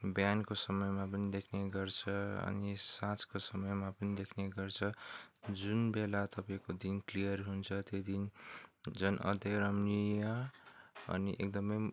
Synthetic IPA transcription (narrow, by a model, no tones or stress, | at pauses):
bjankosʌmʌjmap̬ʌnid̪ekʰneɡʌrt͡sʰʌʌ̰nisãt͡skosʌmʌjmapʌnid̪ekʰneɡʌrt͡sʰʌd͡zunbelat̪ʌpaĩkod̪inklijʌrɦunt͡sʰʌt̪jed̪in | d͡zʌnʔʌ̰d̪ʌɾʌmnijʌ | ʌ̰niʔek̚d̪ʌmʌj